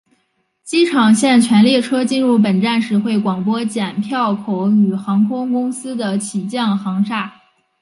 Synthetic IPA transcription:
t͡ɕi˥ʈ͡ʂʰɑ˨˩ŋɕjɛ˥˩nt͡ɕʰɥɛ˧˥nljɛ˥˩ʈ͡ʂʰɤ˥t͡ɕi˥˧nɻu˥˩p̬ə˨˩nʈ͡ʂa˥˩nʂɻ̩˨˥xwe˥˩ɪkwɑ˨˩ŋpwɔ˥t͡ɕjɛ˨˩npʰjɑ˥˩ʊkʰo˧˥ʊy˨˩xɑ˧˥ŋkʰʊ˥ŋkʊ˥ŋsɹ̩˥d̪ə˨t͡ɕʰi˨˩t͡ɕjɑ˥˩ŋxɑ˧˥ŋʂa˥˩

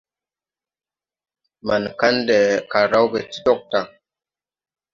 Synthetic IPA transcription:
ma˨nka˦nde˨ka˨ɾa˦wɡe˨ti˦dɔ˦k̚ta˨

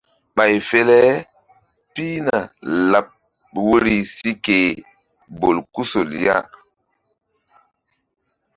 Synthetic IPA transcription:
ɓa˨jfe˦lɛ˦ | pi˦na̰˨la˨p̚ | wo˦ɾi˦si˦ke˨ | bo˨lku˦so˨lja̰˦

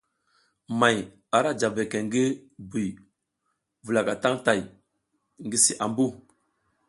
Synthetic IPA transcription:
ma˨j | a˨ɾa˦d͡ʒa˨be˨ke˨ŋɡi˦bi˨ | vu˨la˨ka˨ta˦ŋta˨j | ŋɡi˦si˦ʔa˨mbu˦

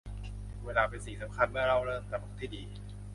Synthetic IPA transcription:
weː˧laː˧pe˧nsi˨˩sa˩˦mkʰa˧nmɯ˥˩ɐɾa˧˥˩wɾɤː˥˩ŋt̪a˧˩mo˨˩˦t̪̚ʰiː˥˩diː˧

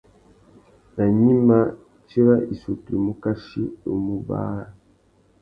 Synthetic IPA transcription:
na˨ɲi˦ma˦ | t͡ʃi˦ɾa˦i˨su˨ti˨mu˦ka˦ʃi˦o˨mu˦ba̰ː˦˨

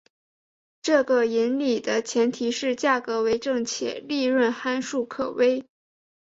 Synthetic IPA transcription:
ʈ͡ʂɤ˥˧ɡə˩i˧˥nli˨˩d̪ə˦t͡ɕʰjɛ˧˥nt̪ʰi˧˥ʂɻ̩˥˧t͡ɕja˥˩kɤ˧˥we˧˥ɪʈ͡ʂɤ˥˩ŋt͡ɕʰjɛ̰˨˩li˥˧ɻwə˥˩nxa˥nʂu˥˩kʰɤ˨˩we˥ɪ

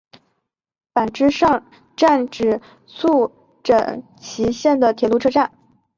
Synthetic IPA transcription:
pa˨˩nʈ͡ʂɻ̩˥ʂɑ˥˧ŋ | ʈ͡ʂa˥˧nʈ͡ʂɻ̩˨˩ | sʰu˥˩ | ʈ͡ʂə˨˩ŋ | t͡ɕʰi˧˥ɕjɛ˥˩nd̪ə˩t̪ʰjɛ˨˩lu˧˥˧ʈ͡ʂʰɤ˥˧ʈ͡ʂa˥˩n

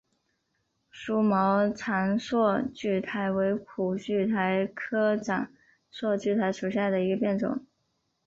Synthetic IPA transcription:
ʂu˥mɑ˧˥ʊt͡sʰa˧˥nswɔ˥˧t͡ɕy˥˩t̪ʰa˧˥ɪwe˧˥ɪkʰu˨˩t͡ɕy˥˩t̪ʰa˧˥ɪkʰɤ˥ʈ͡ʂa̰˨˩˦ŋ | swɔ˥˧t͡ɕy˥˩t̪ʰa˧˥ɪʂu˨˩ɕja˥˩d̪ə˩i˧˥ɡə˧pjɛ˥˩nʈ͡ʂʊ̰˨˩˦ŋ

